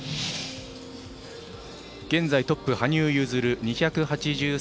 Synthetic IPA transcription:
ɡ̥ẽ̞nd͡zait̪o̞pːɯ̟haɲ̟ʲɨːjɯ̟ːzɨɾɯ̟ɲ̟içakɯ̟hat͡ɕiʑɨː

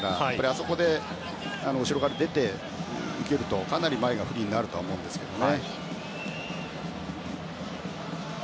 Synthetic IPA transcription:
ɾajaaːaɾʲiaso̞ko̞d̪e̞ | anooɕiɾo̞ɣaɾad̪e̞t̪e̞ | ɯ̟ke̞ɾɯ̟t̪o̞kanaɾʲimae̞ɡaɸɯ̟ɾʲiːɲinaɾɯ̟t̪o̞aomo̞ɯ̃nd̪e̞sɨ̥ke̞d̪o̞ne

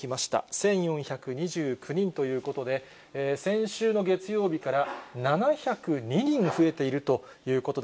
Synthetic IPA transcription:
imaɕi̥t̪a̰sẽ̞ɰ̃jõ̞ɰ̃çakɯ̟ɲ̟iʑɨːkʰɯ̟ɲ̟ĩnt̪o̞jɯ̟ːko̞t̪o̞d̪e̞ː | sẽ̞ɰ̃ɕɨːno̞ɡe̞t͡sɨjo̞ːbʲikaɾananaçakɯ̟ɲ̟iɲ̟ĩɰɸɯ̟e̞t̪e̞iɾɯ̟t̪o̞ | jɯ̟ːko̞t̪o̞

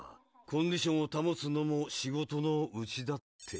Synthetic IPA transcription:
kʰõ̞ɲ̟dʲiɕõ̞ɰ̃ot̪amot͡sɨno̞moɕiɡo̞t̪o̞no̞ɯt͡ɕid̪at̪ʰːe̞

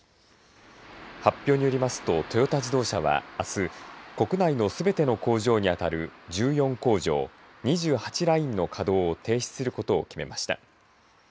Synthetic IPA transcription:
hapʲːjo̞ːɲ̟ijo̞ɾʲimasɨ̥t̪o̞t̪o̞jo̞t̪ad͡ʑid̪o̞ːɕaβa̰ːsɨko̞kɯ̟naino̞sɨbe̞t̪e̞no̞ko̞ːʑo̞ːɲ̟iat̪aɾɯ̟d͡ʑɨːjõ̞ŋko̞ːʑo̞̰ː | ɲ̟iʑɨːhat͡ɕiɾaĩnːo̞kʰad̪o̞ːt̪e̞ːɕi̥t͡sɨ̥sɨɾɯ̟ko̞t̪o̞ːkʲime̞maɕi̥t̪a̰

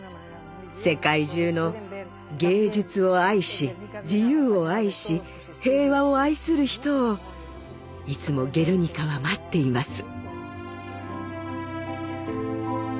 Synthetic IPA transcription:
se̞kaiʑɨːno̞ | ɡe̞ːd͡ʑɨt͡sɨo̞aiɕid͡ʑijɯːo̞aiɕi | he̞ːβao̞aisɨɾɯ̟çi̥t̪o̞ː | it͡sɨmo̞ɡʲe̞ɾɯ̟ɲ̟ikaβamat̪ːe̞imasɨ̥

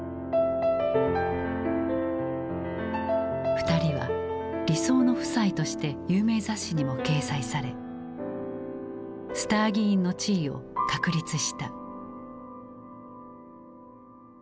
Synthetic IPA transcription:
ɸɯ̟̥t̪aɾʲiβa̰ɾʲiso̞ːno̞ɸɯ̟̥sait̪o̞ɕi̥t̪e̞jɯːme̞ːzaɕːiɲ̟imo̞ke̞ːsaisaɾe̞ | sɨ̥t̪aːɡʲĩːnːo̞t͡ɕiːo̞̰kakɯ̟ɾʲit͡sɨɕi̥t̪a

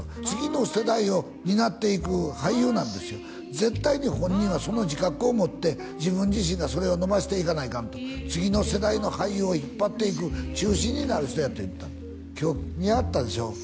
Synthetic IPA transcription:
t͡sɨɡʲino̞se̞d̪aio̞ | ɲ̟inat̪ːe̞ikɯ̟haijɯːnãnd̪e̞sɨjo | zẽ̞t̪ːaiɲ̟ihõ̞ɲ̟ːĩɰ̃βaso̞no̞ʑikakɯ̟o̞mo̞t̪ːe̞ | d͡ʑibɯ̟̃ɲ̟d͡ʑiɕ̬ĩŋɡaso̞ɾe̞o̞no̞baɕi̥t̪e̞ikanaikant̪ot͡sɨɡʲino̞se̞d̪aino̞haijɯːoçipːat̪ːe̞ik̬ɯ̟t͡ɕɨːɕĩɲ̟ːinaɾɯ̟çi̥t̪o̞jat̪o̞ḭt̪ːa | kʲo̞ːmʲiat̪ːad̪e̞ɕo̞̰ː

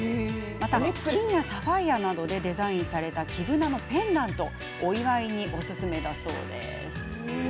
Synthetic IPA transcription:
mat̪aĩɰjasabaianad̪o̞d̪e̞d̪e̞zaĩɰ̃saɾe̞t̪akʲʰiɡɯ̟nano̞pẽ̞nd̪ãnt̪o̞ | oiβaiɲ̟iʔo̞sɨsɨme̞d̪aso̞̰ːd̪e̞̰ | sɨ̥

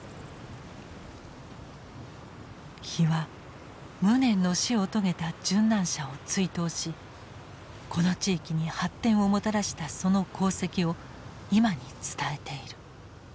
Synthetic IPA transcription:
çiβa | mɯ̟nẽ̞nːo̞ɕio̞t̪o̞ɡe̞t̪ad͡ʑɨ̃nːãɰ̃ɕao̞t͡sɨit̪o̞ːɕi | kʰo̞no̞t͡ɕiːkʲiɲ̟ihat̪ːẽ̞ɰ̃o̞mo̞t̪aɾaɕi̥t̪aso̞no̞kʰo̞ːse̞kʲio̞ | imaɲ̟it͡sɨ̥t̪ae̞t̪e̞iɾɯ̟

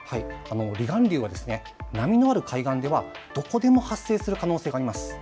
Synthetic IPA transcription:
haiano̞ɾʲiɡãnɾʲɯːβad̪e̞sɨ̥ne̞ | namʲino̞aɾɯ̟kʰaiɡãnd̪e̞β̞a | d̪̥o̞ko̞d̪e̞mo̞hasːeːsɨɾɯ̟kano̞ːse̞ːɡaːɾʲimasɨ̥

